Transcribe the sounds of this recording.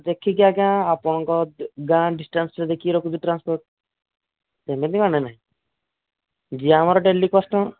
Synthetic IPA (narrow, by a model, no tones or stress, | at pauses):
d̪ekʰikjakjãapɔɽ̃ɔŋkɔɡãɖisʈansɾɛd̪ekʰiɾɔkut͡ʃiʈɾanspɔɾʈ̚ | t̪embenimanɛnaɦĩ | d͡ʒiamaɾɔɖelikɔsʈɔ̃